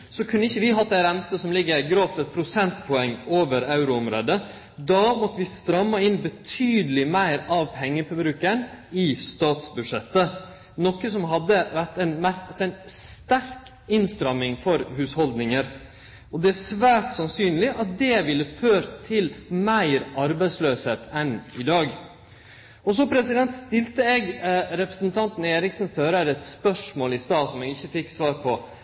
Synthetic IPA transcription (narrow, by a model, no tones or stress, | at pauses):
sɔkʰʉnːəɪçːəʋɪɦɑt̪ːəɾɛmt̪əsɔmlɪɡːəɾɡɾɑːft̪ɛt̪̚pʰɾʊsɛnt̪pʰʊɛŋːoːʋəɾɑʉɾʊɔmɾo̰ːd̪ə | d̪ɑːmɔt̪ːəʋɪst̪ɾɑmːɑɪnːbət̪ʰyːd̪əlɪmæɪɾɑʋpʰɛŋːəfœbɾʉːkən | ɪst̪ɑːt̪sbʉd̪ʂɛt̪ːə | nɔkːəsɔmɦɑd̪ːəʋæʈ̪æɪnmæɾt̪æɪnst̪æɾk | ɪnst̪ɾɑmɪŋfɔɾhʉːshɔld̪nɪŋəɾ | ɔd̪ɛæʂʋæːʈsɑnsyːnlɪʔɑt̪̚d̪ɛʋɪlːəføːɾt̪ʰɪlmæɪɾɑɾbæɪsløːsheːt̪ʰɛnɪd̪ɑːɡ | ɔs̬ɔpʰɾɛsɪd̪ɛnt̪st̪ɪlt̪əɛɡɾɛpɾə̥snt̪ʰɑnt̪n̩eːɾɪksn̩søːɾəɾɛt̪spœʂmoːlɪst̪ɑːt̪sɔmɛːɡɪçːəfɪkːsʋɑːɾpʰɔ